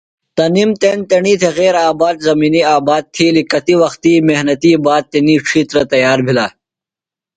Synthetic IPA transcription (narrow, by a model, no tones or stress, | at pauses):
t̪ɐnimt̪ent̪eɳiːt̪ʰeɣeːɾaːbaːd̪zɐmiːniaːbaːd̪̚t̪ʰiːlikɐt̪iwɐxt̪iːmehnɐt̪iːbaːd̪̚t̪eniːʈ͡ʂʰiːt̪ɾɐt̪ɐjaːɾbʱilaː